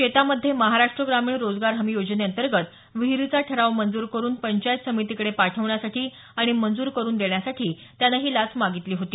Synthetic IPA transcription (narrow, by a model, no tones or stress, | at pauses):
ɕet̪aməd̪ʱːjeməɦaɾaʂʈɾəɡɾamiːɳɾod͡zɡaɾɦəmijod͡zneənt̪əɾɡət̪ | ʋiɦɾit͡saʈʰəɾaʋmənd͡zuːɾkəɾuːnpəɲt͡ɕajt̪səmit̪ikəɽepaʈʰəʋɳjasaʈʰiː | aɽ̃imənd͡zuːɾkəɾuːnd̪eɳjasaʈʰiːt̪janaɦiːlat͡smaɡit̪liːɦot̪iː